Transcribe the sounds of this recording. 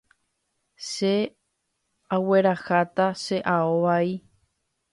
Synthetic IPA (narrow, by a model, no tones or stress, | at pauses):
ʃe | awe̞ɾaxat̪aʃe̞ʔaoʋai